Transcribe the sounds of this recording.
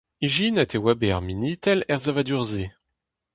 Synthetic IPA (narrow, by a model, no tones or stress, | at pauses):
iʒinɛt̪ewabea̰ʁminit̪ɛlɛʁzavad̪yʁze